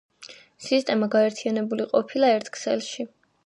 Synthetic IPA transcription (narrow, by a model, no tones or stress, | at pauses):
sist̪ʼɛmaɡaɛɾt̪ʰianɛbuliqʼɔpʰilˠaɛɾt̪ʰkʰsɛ̰lˠʃi